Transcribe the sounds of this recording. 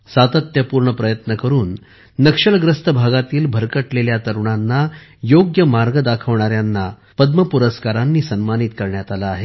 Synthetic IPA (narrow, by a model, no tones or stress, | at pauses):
sat̪ət̪jəpuːɾɳəpɾəjət̪nəkəɾuːnː | əkʂəɭɡɾəst̪əbʱaɡat̪iːlbʱəɾkəʈleljat̪əɾuɳanːajoɡjəmaɾɡəd̪akʰəʋɳaɾjanːa | pəd̪məpuɾəskaɾanːiːsənmanit̪kəɾɳjat̪alaːɦe